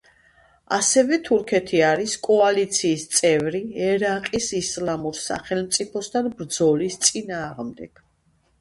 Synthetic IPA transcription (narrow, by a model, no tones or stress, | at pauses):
a̰sɛvɛt̪ʰuɾkʰɛt̪ʰiaɾiskʼɔalit̪sʰiːst̪sʼɛvɾiɛɾaqʼisislamuɾsa̰χɛlmt̪sʼipʰɔst̪ʰanbɾd̪zɔlist̪sʼinaːʁmd̪ɛɡ̥